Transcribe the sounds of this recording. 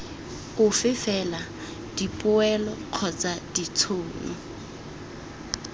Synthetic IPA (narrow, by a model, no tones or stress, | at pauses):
ʊfɪfɛla | d̥ipʼʊɛlɔq͡χʰɔt͡sad̥it͡sʰʊːnɔ̰